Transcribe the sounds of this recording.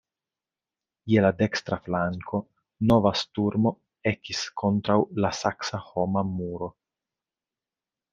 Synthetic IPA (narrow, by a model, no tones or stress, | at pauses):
je̞lade̞kstɾaflaŋkʰo̞ | no̞vastuɾmo̞ | e̞kiskʰo̞ntɾawlasaksaho̞mamuɾo̞